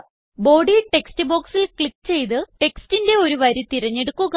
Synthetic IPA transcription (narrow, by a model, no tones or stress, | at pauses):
bo̞ːɖiʈe̞kstɨbo̞ːksilkɭikːɨt͡ɕe̞jt̪̬ɨʈe̞kstinde̞o̞ɾuʋɐɾut̪iɾɐɲːeɽukːuɣ